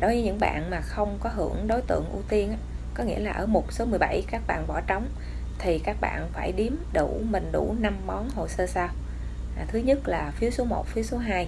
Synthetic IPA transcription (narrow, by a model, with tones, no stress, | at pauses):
ɗo˨˦vɨ˨˦ɲɨ̰˧˥ŋɓa̰ː˧˨nmaː˨˩xə˧wŋ͡mkɔ˨˦ɦɨ˧˩əŋɗo˨˦jt̪ɨ̰˧˨əŋʔu˧t̪i˧ənʔaː˨˦ | kɔ˨˦ŋḭ˧˥əlaː˨˩ʔəː˧˩mo˨˩t̚so˨˦mɨ˨˩əjɓa˧˩jkaː˦˥k̚ɓa̰ː˧˨nɓɔ˧˩t͡ɕə˨˦wŋ͡m | t̪ʰi˨˩kaː˦˥k̚ɓa̰ː˧˨nfaː˧˩jɗi˨˦əmɗṵ˧˩mï˨˩ŋ̟ɗu˧˩na˧mːɔ˨˦nɦo̰˧˨jsəː˧saː˧w | t̪ʰɨ˨˦ɲə˦˥t̚laː˨˩fi˨˦əwso˨˦mo˨˩t̚fi˨˦əwso˨˦ɦaː˧j